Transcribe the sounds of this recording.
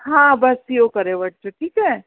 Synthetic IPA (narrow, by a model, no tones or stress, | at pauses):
ɦãːbɐsijokɐɾẽʋɐʈ̚d͡ʒoʈʰiːkɛː